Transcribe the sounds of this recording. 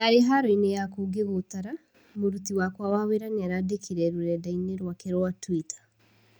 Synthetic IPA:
aɾeɦaɾɔinejakuɡeβot̪aɾa | moɾutiwakwawaweɾaneaɾadekʰiɾɛɾuɾɛdaineɾwakɛɾoatwitḁ

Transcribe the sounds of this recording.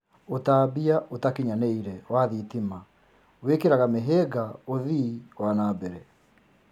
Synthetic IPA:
otaːbiaʔotakiɲaneiɾɛwaðitima | wekeɾaɣameɦɛɡaoðiwanabɛɾɛ

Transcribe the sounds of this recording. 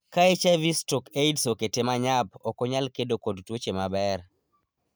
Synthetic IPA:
kaet͡ʃɛvistɔkeidsoketemaɲab̚ɔkɔɲalkedokodtwot͡ʃemabɛr

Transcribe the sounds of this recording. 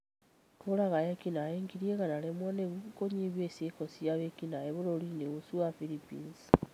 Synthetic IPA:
kulaɣajekinajeŋɡiɾjeɣanalemwaneβukukoɲiβjesekosiaβekinaeβulolineɣusuwafilipḭːnsi̥

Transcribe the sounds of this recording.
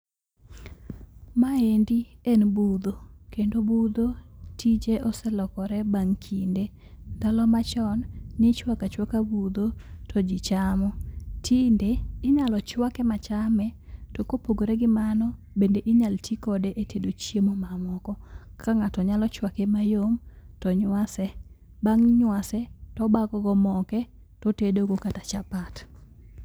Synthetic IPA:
maendiɛnbud̪okendobud̪otʰid͡ʒeʔɔsɛlɔkɔɾɛbaŋkʰinde | dalɔmat͡ʃɔnːɪt͡ʃwakat͡ʃwakabud̪otʰɔd͡ʒɪt͡ʃamɔtʰindeːɲalɔt͡ʃwakɛmat͡ʃamɛtɔkopoɡoɾɛɡɪmanɔ | bendeʔɪɲaltʰikɔdeʔetʰedot͡ʃjemomamɔkɔkʰaŋatɔɲalɔt͡ʃwakɛmajomtɔɲwasɛ | baŋɲwasɛtɔbakɔɡɔmɔkɛ | tɔtedoɡokatat͡ʃapat

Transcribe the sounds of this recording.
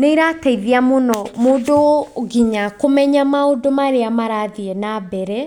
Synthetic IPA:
neiɾataiðeamonɔmoːdoɡiɲakomɛɲamaodomaɾeamaɾaðiɛnabɛɾɛ

